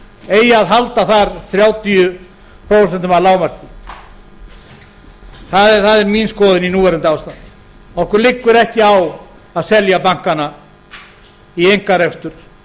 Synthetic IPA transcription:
eːjaðɦalt̪aθaɾθɾjaːwt̪ijʏ | pʰɾoːws̬ɛnt̪ʏmalaːwmar̥cɪ | θaðɛθaðɛɾminskɔːðɪninuːvɛɾʏnt̪aːwst̪að | ɔhkʏɾlɪkːʏɾɛhcɪaw | aðsɛljapaŋ̥kana | iejŋkaɾɛfst̪ʏɾ̥

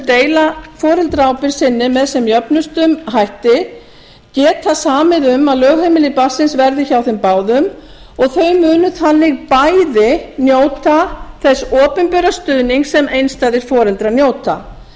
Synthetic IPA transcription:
t̪eːjlafɔːɾɛlt̪ɾaːwpɪɾ̥sɪnːɪmɛðsɛmjœpnʏst̪ʏmɦajht̪ɪ | cɛːt̪θasaːmɪðʏmaðlœɣhejmɪlɪpḁsɪnsvɛɾðɪçawθɪmpaːwðʏm | ɔɣθœɥmʏːnʏθanːɪɣpajðɪnjoːwt̪aθɛsːɔːpʏnpʏɾast̪ʏðniŋksɛmejnst̪aːðɪɾ̥fɔːɾɛlt̪ɾanjoːwt̪a

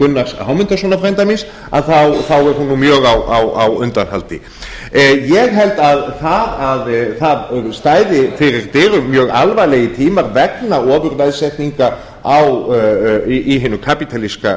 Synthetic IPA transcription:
kʏnːasɦawmʏnt̪asɔːnafɾajmt̪̬ajmins | a̰ðθawθawɛɾ̥hunːumjœːɣawawawʏnt̪anhalt̪ɪ̰ | jɛɣɦɛlt̪aðθaðaðθaðst̪aːjðɪfɪɾɪɾt̪ɪːɾʏmjœːɣa̰lvajlɛjɪt̪ʰiːmaɾvɛknaɔːvʏɾvɛðsɛt̪niŋka | aw | ʔiɦɪnʏkʰapit̪ʰaliska

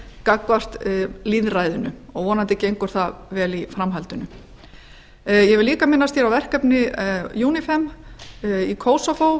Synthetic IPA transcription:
kakvar̥t̪liðrajðʏnʏɔɣvɔːnant̪ɛcɪejŋkɔɾ̥θavɛːlifɾamɦalt̪ʏnʏ | jɛɣvɪlliːkamɪnːast̪jɛɾawvɛr̥kɛpnɪjuːnɪfɛm | ikʰoːwsɔfow

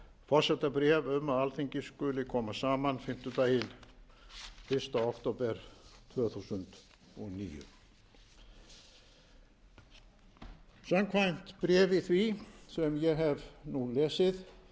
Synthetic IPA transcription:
fɔr̥sɛt̪apɾɛːvʏmaðalθiɲcɪskʏːlɪkʰɔːmasaːmanfɪm̥t̪ʏt̪aːjɪn | fɪr̥st̪aakt̪owpɛɾ̥t̪ʰvœːθuːsʏnt̪ | ɔɣnḭːjʏ̰ | samkʰvajn̥t̪pɾɛːvɪθvisɛmjɛɣɦɛvnulɛːsɪð

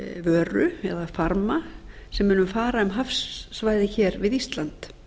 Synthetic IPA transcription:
vœːɾʏ̰ɛ̰ðafaɾmasɛmːʏːnʏmfaːɾaɛmɦafsːvaːjðɪçɛːɾvɪðist̪lant̪

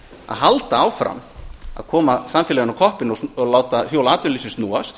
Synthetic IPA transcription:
a̰ðhalt̪aaːwfɾa̰ma̰ðkʰɔːmasamfɪlɛɣʏnawkʰɔhpɪnɔɔɣlaːwt̪afjoːwlaːt̪ʏnisɪst̪nuːast̪

